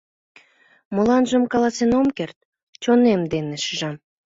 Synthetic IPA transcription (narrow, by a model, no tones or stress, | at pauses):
molɑnʒəmkɑlɑsenomkert̪̚ | t͡ɕonemd̪eneʃəʒɑm